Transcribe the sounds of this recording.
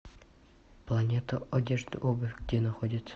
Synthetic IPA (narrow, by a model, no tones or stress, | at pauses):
plˠɐnʲet̪əɐdʲeʐd̪ɨ̰ʔobɨfʲɡdʲenɐxodʲɪt̪